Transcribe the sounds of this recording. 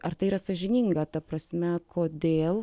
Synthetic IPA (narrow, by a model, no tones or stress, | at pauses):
ɐrt̪ɐɪiːɾɐsɐʒʲɪnʲiŋɡɐt̪ɐpɾɐsʲmʲɛkʰoːd̪ʲeːlˠ